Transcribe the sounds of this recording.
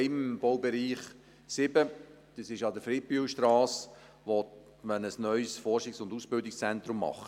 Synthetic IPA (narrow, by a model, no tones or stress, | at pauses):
ɪmb̥ɔwbɛɾiːχ | sɪbə | d̪̥əsɪʃɑd̪əfɾɪpyːlʃtɾɑːs | ʋɔt | mənəsnœʏsfɔrʃɪksʊndusb̥ɪldɪkst͡sɛnt̪ɾʊmːɑ̰χ